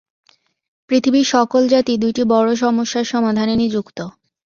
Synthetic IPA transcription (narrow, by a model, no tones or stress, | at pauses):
pɾit̪ʰibiʃɔkold͡ʑat̪id̪ujʈibɔɽoʃ̬ɔmoʃːaɾʃɔmad̪ʱanenid͡ʑukt̪o